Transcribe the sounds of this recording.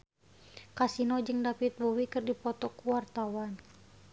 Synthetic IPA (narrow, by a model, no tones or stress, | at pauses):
kasinɔd͡ʒɨŋdapit̪̚bowikɨrdipɔt̪ɔkuwart̪awan